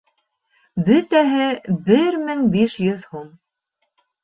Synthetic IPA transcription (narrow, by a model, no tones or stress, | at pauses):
bɵt̪æɦɘbɘɾmɘŋbiʃjɵðhum